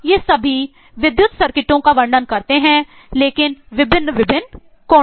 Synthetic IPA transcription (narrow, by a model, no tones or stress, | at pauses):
jesɐbʱi | ʋɪd̪jʊt̪sɐɾkɪʈõkaʋɐ̃ɳɖənkɐɾt̪eɦɛ̃ː | leːkɪnʋɪbʱɪnːʋɪbʱɪn | kɔː